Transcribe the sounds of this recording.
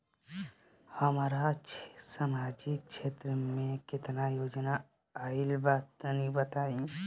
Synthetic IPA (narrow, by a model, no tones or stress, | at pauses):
həmaːɾasamaːd͡ʒɪk̚ʃʰeːt̪ɾəmẽkɪt̪najoːd͡ʒna | aːɪlbat̪nibət̪aːi